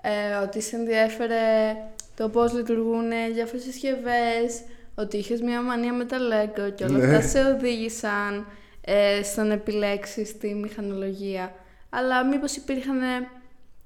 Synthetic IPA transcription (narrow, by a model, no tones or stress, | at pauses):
eo̞t̪ise̞nðiɐfe̞ɾe̞t̪o̞po̞zlit̪uɾɣune̞ʝɐːft̪esisçe̞ve̞so̞t̪iiçezmɲɐmɐniɐmet̪ɐleɡoceo̞lɐt̪ɐse̞oðiʝisɐn | est̪one̞pile̞ksist̪imixɐno̞lo̞ʝiɐ | ɐlɐmipo̞sipiɾxɐne̞